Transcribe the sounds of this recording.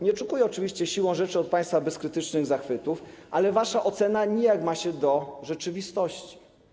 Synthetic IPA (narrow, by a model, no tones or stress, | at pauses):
ɲɛt͡ʂukujɛɔt͡ʂɘvʲiɕt͡ɕɛɕiwɔ̃w̃ʐɛt͡ʂɘɔt̪̚paj̃st̪fabɛskɾɘt̪ɘt͡ʂnɘɣzaxfɘt̪ufʔalɛvaʂaʔɔt̪sɛnaɲɛjakmaɕɛd̪ɔʐɛt͡ʂɘvʲist̪ɔɕt͡ɕi̥